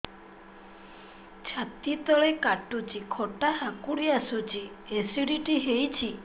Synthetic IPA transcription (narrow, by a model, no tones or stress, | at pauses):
t͡ʃʰat̪it̪ɔɭekaʈːut͡ʃikʰoʈaɦakuɽiasut͡ʃi | esiɖiʈiɦejt͡ʃʰi